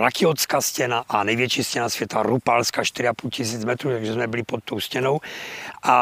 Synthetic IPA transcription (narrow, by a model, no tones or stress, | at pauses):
lakiɔskascɛnaʔanɛjʋɪjɛt͡ʃiscɛnasʋjɛt̪aɾupalskaːʃt̪iɾiapulcisiːd͡zmɛt̪ɾɔːt̪aɡʒɛzmɛbilipɔt̪ːɔʊscɛnɔʊʔa